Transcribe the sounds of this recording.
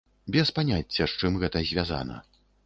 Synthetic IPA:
bʲɛspanʲat͡sʲːɐʂt͡ʂɨmɣɛt̪ɐzʲvʲaza̰nɐ̰

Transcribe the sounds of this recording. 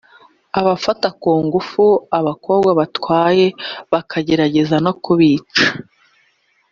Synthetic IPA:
aβafatakoːŋɡufuaβako̞ːbɡwaβatwaːje̞βakʰaɟe̞ɾaɟe̞zanokuβiːt͡ʃḁ

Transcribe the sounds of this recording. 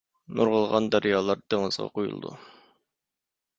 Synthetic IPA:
nʔuɾʁəlˠʁɑnd̪ɑɾijɑlˠɑɾd̪̥eŋəzʁɑ̰qojṵlˠd̪ṵ

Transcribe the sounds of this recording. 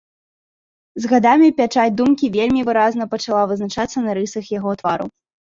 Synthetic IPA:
zɣad̪amʲipʲat͡ʂat͡sʲd̪umkʲivʲelʲmʲivɨɾaznɐpɐt͡ʂalˠavɨznat͡ʂat̪sːɐnɐɾɨsɐxjaɣɔt̪vaɾṵ

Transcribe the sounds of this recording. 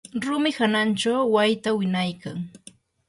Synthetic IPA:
ɾʊmɪhanant͡ʃawwajt̪awɪnajkaŋ

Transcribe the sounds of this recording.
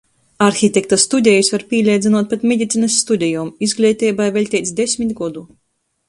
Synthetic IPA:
aɾxʲit̪ʲekt̪ast̪ud̪ʲejusvaɾpʲiɛlʲɛjd̪zinuɔt̪̚pet̪mʲed̪ʲit̪siːnasːt̪ud̪ʲɛjumizɡlʲɛt̪ʲɛjbajvɛlʲt̪ʲɛjt̪sd̪esʲmʲit̪ʲɡɔd̪u

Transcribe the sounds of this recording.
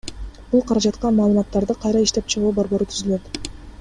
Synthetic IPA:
b̥ulˠqʰɑɾɑd͡ʒɑt̪qɑnmɑːlˠɯmɑt̪ːɑɾd̪ɯqʰɑjɾɑiʃt̪e̞p̚t͡ʃʰɯʁuːbo̞ɾbo̞ɾut̪ʰyzyløt̪

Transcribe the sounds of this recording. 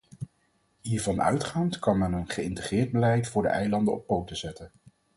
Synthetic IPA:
ɦiːɹvɑnœ̰ɥtχaːntkɑnmɛnənχəɪntəχrɪːɹd̚bəlɛjtfʊːɹdə̰ʔɛjlɑndəɔ̰pːowtəzɛtən

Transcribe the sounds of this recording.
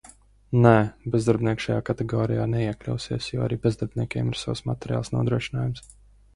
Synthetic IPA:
nɛbɛzd̪aɾbnʲiɛkʃajaːkat̪ɛɡɔːɾijaːnɛiɛklʲa̰wsiɛsjɔa̰ɾiːbezd̪aɾbʲnʲiɛkʲeɛ̰ːmiɾ̥sawsmat̪ɛɾʲja̰ːlˠsnuɔd̪ɾuɔʃinaːjums

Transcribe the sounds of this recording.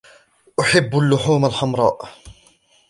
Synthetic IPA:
ʔʊħɪbːalːʊħuːmalħamɾˤɑ̰ːʔ

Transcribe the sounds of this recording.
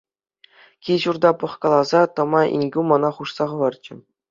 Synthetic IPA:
kʲiʑurd̪ɑpɤ̆χkɑlˠɑzɑt̪ɤ̆mɑʔḭnʲɡʲumɤnɑχuʂsɑʁɤ̆ʋɑrt͡ɕɘ̆

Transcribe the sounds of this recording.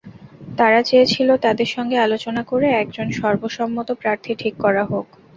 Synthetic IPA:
t̪aɾat͡ɕeet͡ɕʰilot̪ad̪eɾʃɔŋɡealot͡ɕonakoɾeɛk̚d͡ʑonʃɔɾboʃɔmːot̪opɾaɾt̪ʰiʈʰikːɔɾaɦok

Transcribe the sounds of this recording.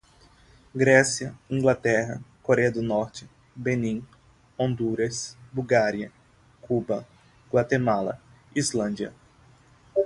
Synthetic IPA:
ɡɾɛsiɐĩŋɡlat̪ɛɦɐ̰koɾɛɐd̪ʊnɔɾt͡ʃɪ | benĩ | õnd̪uɾɐsbuɡaɾiɐ | kubɐ | ɡ̥wat̪emalɐ̰ | izlɐ̃nd͡ʒiɐ̰

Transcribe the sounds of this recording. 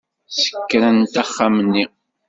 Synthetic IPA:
sə̥kːɾænt̪aχːamnːi

